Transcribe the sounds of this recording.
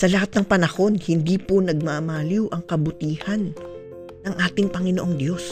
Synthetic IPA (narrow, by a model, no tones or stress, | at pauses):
sɐlɐhat̪̚nɐŋpɐnɐho̞nhɪnd̪iːponɐɡ̚mamaːliwʔɐŋkɐbʊt̪iːhɐnː | ɐŋʔaːt̪ɪŋpɐŋɪnoʔo̞ŋd̪jo̞s